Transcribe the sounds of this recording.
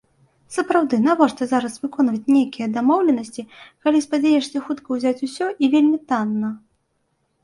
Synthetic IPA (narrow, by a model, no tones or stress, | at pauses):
sɐpɾawd̪ɨnavɔʂt̪ɐzaɾɐsvɨkɔnvɐt͡sʲnʲejkʲijɐd̪amɔwlʲɛnɐsʲt͡sʲikalʲispad͡zʲajɛʂsʲɐxut̪kɐwzʲat͡sʲusʲɔʔivʲelʲmʲit̪anːɐ